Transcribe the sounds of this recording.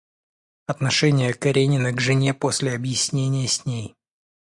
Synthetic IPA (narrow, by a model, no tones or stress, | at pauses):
ɐt̪nɐʂɛnʲɪjəkɐɾʲenʲɪnəɡʐɨnʲepo̞sʲlʲɪɐbjɪsʲnʲenʲɪjəsʲnʲej